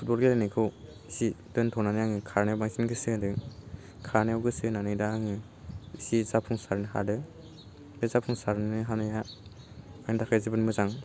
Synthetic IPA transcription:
pʰut̚bɔlɡelanɯkʰɯw | sidɯntʰɔwnanɯjaŋɯkʰaɾnejwbaŋsinɡɯsɯdɯ | kʰaɾnewɡɯsɯnanɯjdaːŋɯ | sizapʰuŋsaɾnɯɦa̰dɯ | dɯzapʰuŋsaɾnnɯɦanɯja | ajndakʰajzibɯnmɯzaŋ

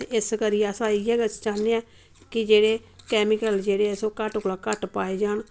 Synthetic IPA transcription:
ɪskəɾijeəsãːɪɛːɡət͡ʃt͡ʃaːneãː | kɪd͡ʒeːɽeːkɛːmɪkəld͡ʒeːɽeːəsõːkəʈʊklaːkəʈpaːeːd͡ʒaːɳ

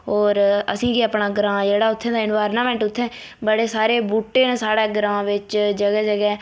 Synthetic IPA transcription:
ɦɔːɾəsĩːkiəpɳaːɡɾãːd͡ʒeːɽaːʊt̪ʰːẽːd̪aːɪnʋaːɾnaːmɛ̃ːɳʈʊt̪ʰːɛ̃ː | bəɽeːsaːɾeːbuʈːeːnẽːsaːɽɛːɡɾãːʋɪt͡ʃd͡ʒəɡɛːd͡ʒəɡɛː

